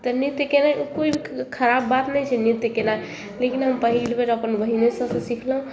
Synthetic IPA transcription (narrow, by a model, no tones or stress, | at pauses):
t̪ənit̪jəkenajʔukoibʱikʰəɾabːat̪nɛjt͡ʃʰɛnit̪jkenaj | lekinɦəmpəɦilbeɾəpənʋəɦinesə̃sə̃sikʰləɦũ